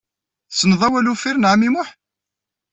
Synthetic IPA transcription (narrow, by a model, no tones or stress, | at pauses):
sːənðˤæwælufiɾnʕmimʊħ